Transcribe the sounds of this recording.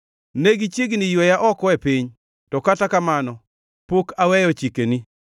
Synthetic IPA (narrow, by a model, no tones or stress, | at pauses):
neɡit͡ʃiɡnijwɛjaʔɔkɔepiɲ | tɔkatakamanɔ | pokawɛjɔt͡ʃikeni